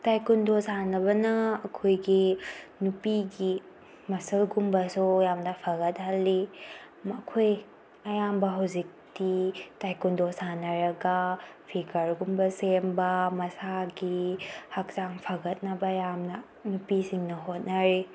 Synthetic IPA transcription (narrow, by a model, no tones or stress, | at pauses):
tajkundosanɐβɐnɐːkʰojɡinupiɡi | mɐsɐlɡumbɐsujamnɐpʰaɣɐt̚hɐlːi | mɐkʰoj | ɐjambɐɦawzik̚titajkundosanɐɾɐɡɐpʰikɐɾɡumbɐsembɐmɐsaɡihak̚t͡ʃaŋpʰaɡɐt̚nɐbɐjamnɐ | nupisiŋnɐɦot̚naɾi